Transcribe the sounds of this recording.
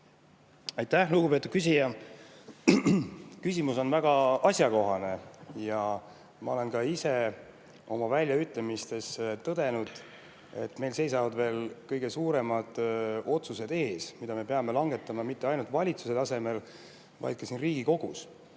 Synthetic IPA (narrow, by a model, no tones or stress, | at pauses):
ɑjt̪ːˑæhluɡ̥upe̞t̪ud̪̥kys̬ʲijɑ | kysʲimuso̞nvæɡ̥ɑɑsʲjɑko̞ɦɑne̞jɑ | mɑ̰o̞le̞nkɑise̞ | o̞mɑvælʲjɑyt̪ːˑlemist̪e̞st̪ɤd̪̥e̞nud̪̥ | e̞̰t̪ːˑme̞jlse̞jsɑvɑd̪ve̞ːlkɤjɡ̥e̞suːɾe̞mɑd̪̥o̞t̪suse̞d̪̥e̞ːsmid̪ɑme̞peɑme̞lɑŋɡe̞t̪ːˑɑmɑmit̪ːe̞ɑjnult̪vɑlʲit̪suse̞t̪ɑse̞me̞l | vɑ̰jd̪̥̚kɑsiːnriːɡ̥iko̞ɡ̥us